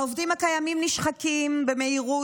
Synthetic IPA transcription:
ovdimhakajamimniʃχakimbe̞me̞iʁu

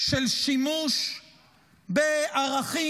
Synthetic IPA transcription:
ʃelʃimuʃ | beaʁaχi

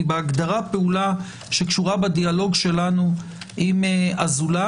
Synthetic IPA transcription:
beaɡd̪aʁapeula | ʃe̞kʃuʁabad̪ialo̞ɡʃe̞lanu | ʔimeazula

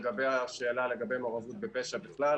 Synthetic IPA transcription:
ɡabejaʃeːlale̞ɡabe̞jmoʁavut̪̚bepeʃabiχlal

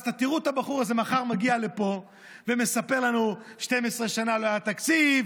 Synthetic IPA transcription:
t̪at̪iʁut̪habaχuʁaze̞maχaʁmaɡiale̞po̞ | veme̞sape̞ʁlanuʃte̞me̞sʁe̞ʃanaloajat̪akt͡siv

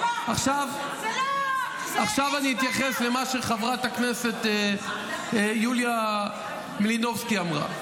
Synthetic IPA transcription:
aχʃav | aχʃavaniit̪jaχe̞sle̞maʃeχavʁat̪akne̞se̞t̪ | julja | milino̞vskiamʁa̰

